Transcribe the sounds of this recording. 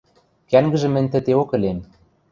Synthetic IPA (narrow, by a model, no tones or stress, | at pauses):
kæŋɡɘ̆ʒɘ̆mɘ̆nʲt̪ɘ̆t̪eokɘ̆lem